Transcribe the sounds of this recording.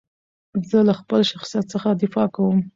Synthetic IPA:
zəlaxpəlʃaxsjat̪səxad̪ɪfɑkawəm

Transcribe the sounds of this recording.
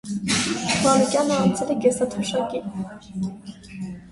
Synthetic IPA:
mɑɾukjɑnəɑnt͡sʰɛlɛɡɛsɑt̪ʰuʃɑki

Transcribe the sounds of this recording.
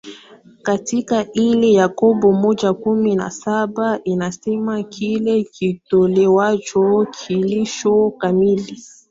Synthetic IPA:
katikailɛjakɔbɔmɔʄakumina̰saɓaʔinasɛmakʰilɛkʰitɔlɛwat͡ʃɔkʰiliʃɔkamili

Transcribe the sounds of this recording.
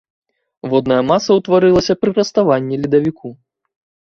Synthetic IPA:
vɔd̪nɐjɐmasɐwt̪vaɾɨlˠɐsʲɐpɾɨɾɐst̪avanʲːilʲid̪ɐvʲikʰu

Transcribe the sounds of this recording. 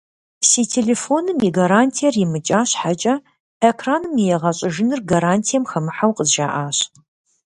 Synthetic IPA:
siːtʰelefonɨmiɡaɾaːntʰijɛrjɪmɨt͡ʃʼaːɕħat͡ʃʼɐ | ekʰraːnɨmijɛʁɐɕʼɐʒɪnɨrɡaɾaːntʰijɛmxɐmɨħawqəzʒa̰ːʔaːɕ

